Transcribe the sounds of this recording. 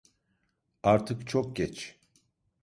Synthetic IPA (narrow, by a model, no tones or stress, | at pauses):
aɾt̪ʰɯkt͡ʃʰok̚ɟɛt͡ʃ